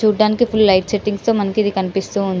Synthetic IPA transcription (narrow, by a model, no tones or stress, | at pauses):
t͡ʃuːɖaːnikipʰullɐjʈseʈːiŋɡst̪o̞ːmɐnɐkid̪ikɐnipist̪uːund̪i